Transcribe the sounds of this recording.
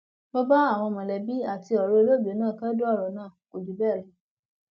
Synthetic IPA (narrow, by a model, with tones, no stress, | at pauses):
bɔ˦ba˦a˦˨w̃ɔ̃˧mɔ̃˨lɛ˨bi˦a˦˨ti˧ɔ˨ɾo˧lo˦˨be˨˦nãː˦˨ka˦du˦ɔ˦˨ɾɔ˨nãː˦˨ko˨du˨˦bɛ˦˨ɾũ˨˦